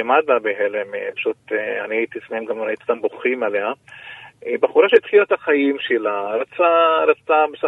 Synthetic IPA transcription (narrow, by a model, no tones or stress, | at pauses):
emad̪labeɦelemepḁʃut̪ea̰niait̪ismemɡamɾait̪st̪amboχimalea | ebaχuɾaʃeit̪χilat̪aχajimʃelaɾat͡saɾat͡sabesa